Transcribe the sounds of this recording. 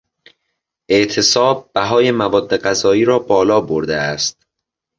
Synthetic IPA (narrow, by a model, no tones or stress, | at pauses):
ʔe̞ʔt̪ʰe̞sɒːb̥̚ːæɦɒːje̞mævɒːd̪ːe̞ɢæzɒːiːɾɒːbɒːlɒːboɾd̪eæst̪̚